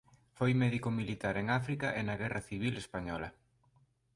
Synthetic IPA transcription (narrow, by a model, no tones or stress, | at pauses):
fojmɛðikomilit̪aɾeŋafɾikaʔenaɣɛraθiβ̞ilespaɲɔlɐ